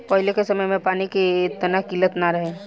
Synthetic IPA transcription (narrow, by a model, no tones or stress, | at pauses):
pəɦilekesəməjmẽpaːnikeːt̪ənakilət̪naɾəɦe